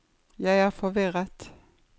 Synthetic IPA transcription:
jæɪæːʁfɔʋɪʁət̪

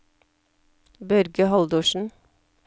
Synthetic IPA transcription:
bœɾɡəhɑld̪uːʃn̩

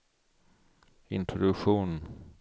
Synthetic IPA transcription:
ɪ̰nt̪ʰɾɔd̪ɵkɧuːn

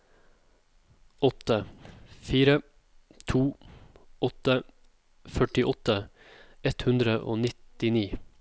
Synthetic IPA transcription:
ɔt̪əfiːɾə | t̪ʰuː | ɔt̪ə | fœʈɪʔɔt̪ə | ɛt̪hʉnd̪ɾəʔo̰ːnɪt̪ɪniː

